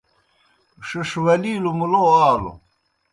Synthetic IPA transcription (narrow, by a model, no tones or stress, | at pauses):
ʂiʂwɐliːlumuloaːlo̰